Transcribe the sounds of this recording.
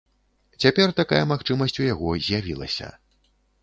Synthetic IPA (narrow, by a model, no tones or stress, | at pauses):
t͡sʲapʲɛrt̪akajɐmaxt͡ʂɨmɐsʲt͡sʲujaɣɔzʲjavʲilˠɐ̰sʲɐ̰